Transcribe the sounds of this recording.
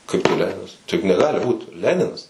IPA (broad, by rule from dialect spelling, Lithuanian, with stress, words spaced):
ˈkɐɪp tɐɪ ˈlʲæːnʲɪnɐs ˈtɐɪ jʊk nʲɛˈɡɑːlʲɪ ˈbuːt ˈlʲæːnʲɪnɐs